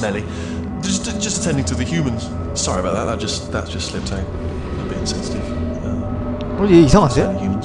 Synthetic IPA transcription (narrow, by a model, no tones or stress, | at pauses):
mɛli̥ | ʌsd̥d͡ʒʌstətʰɛ̃ndɪ̃ŋtʰəðɨhjʉːmə̃nz̥ | sɒɹiəbaʊʔ̪̚ðə̰ʔ̪ðəʔ̚d̥ʒ̥ʌsðə̰tsd̥ʒ̥ʌstslɪp̚tʰãʊ̃n | əbɪtɪ̃ŋsɛ̃nsɪtɪv̥ | ʌ̃m | ɛjæiθɔsɪðəhjʉːmə̃nz